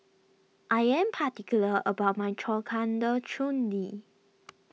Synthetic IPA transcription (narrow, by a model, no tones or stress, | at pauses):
ʔajɛ̃mpʰatikjuləəbaʊt̚majtʰɔkʰãndət͡ʃʰũndi